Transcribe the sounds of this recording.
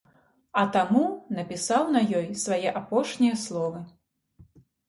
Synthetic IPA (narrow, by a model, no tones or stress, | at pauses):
ɐt̪amunɐpʲisawnɐjɔjsvajɛʔapɔʂnʲijɐslˠɔvɐ